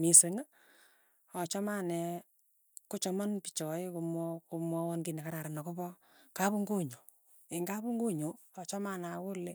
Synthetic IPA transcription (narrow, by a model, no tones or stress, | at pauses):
miseŋa | ɔt͡ʃɔmanɛ | kʊt͡ʃɔmɔnpit͡ʃɔekomɔkomwɔwɔnkinɛkaɾaɾanɔkopɔ | kapuŋɡoɲo | eŋɡapuŋɡoɲoɔt͡ʃɔmanakʊle